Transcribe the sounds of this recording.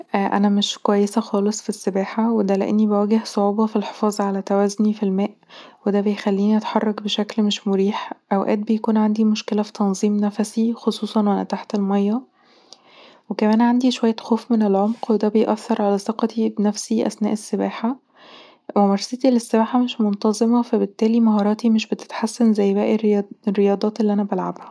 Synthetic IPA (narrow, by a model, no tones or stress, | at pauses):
ʔæʔæ̰næmeʃkwæjːesæxɑːlesˤfisːebæːħawed̪æleʔḛnːibæwæːɡehsˤoʕuːbɑfilħe̥fɑːzˤʕalæt̪æwæːzonifilmæːʔwed̪æbejxælːiːniʔæt̪ħɑrˤːɑkbeʃæklmeʃmoɾiːħʔæwʔæ̰ːt̪̚bejækuːnʕand̪imoʃkelæfi̥t̪ɑnzˤiːmnæfæsixosˤuːsˤɑnwʔænæ̰t̪aħt̪elmɑjːɑ | wekæmæːnʕand̪iʃowæjːæxoːfmenelʕomqwed̪æbejʔæθːɑɾˤʕalæseqɑt̪ibnæfsiʔæ̰snæːʔesːebæːħa | wemɑɾˤset̪ilesːebæːħameʃmont̪ɑzˤemɑfæbet̪ːæːlimɑɦɑːɾˤɑːt̪imeʃbet̪e̥t̪ħasːænzæjːbæʔerrːejɑːd̪ˤɑːt̪elːiʔænæbælʕa̰bhæ̥